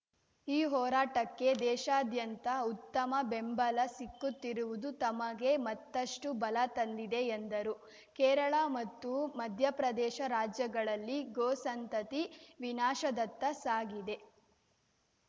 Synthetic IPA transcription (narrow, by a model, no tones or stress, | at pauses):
iːɦɔːɾaːʈɐkːe̞d̪ɛːʃaːd̪jɐnt̪ɐut̪ːɐmɐbembɐlɐsikːut̪ːiɾuʋud̪ut̪ɐmɐɡe̞mɐt̪ːɐʂʈubɐlɐt̪ɐnd̪id̪e̞ːnd̪ɐɾu | kɛːɾɐɭɐmɐt̪ːumɐd̪ʱjɐpɾɐd̪ɛːʃɐɾaːd͡ʒjɐɡɐɭɐlːiɡoːsɐnt̪ɐt̪iʋinaːʃɐd̪ɐt̪ːɐsaːɡid̪e̞